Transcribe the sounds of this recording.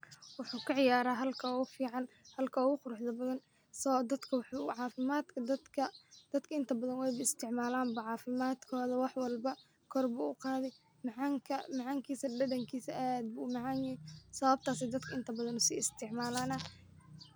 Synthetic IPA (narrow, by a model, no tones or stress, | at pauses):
wʊħuːkʰɐʕɪjaːɾaːɦɐlkʰɐɣʊfiːʕɑn | hɐlkʰɐɔɣʊqʊɾʊħðɐbɐðɐn | sɐd̪ɐd̪kʰɐwħʕɑːfɪmaːd̪kʰɐd̪ɐkʰɐd̪̥ɐd̪kʰɐɪnt̪ʰɐbɐðɐnwɛjbɐɪst̪ʰɪʕmaːlaːmbɐʕɑːfɪmaːd̪kʰɔːðɐwɑħwɑlbɐ | kʰɔrbʊʊqɑːðɛj | mʕaŋkʰɐmɐʕaːŋkʰiːsɐɖɐðɐŋkʰiːsɐʔad̪̚bʊmɑʕɑːnjɪhɪsɐβɐb̚t̪ʰaːsɛd̪ɐd̪kʰɐɪnt̪ʰɐbɐðɐnʊsḭːɪst̪ʰɪʕmaːlaːnɐ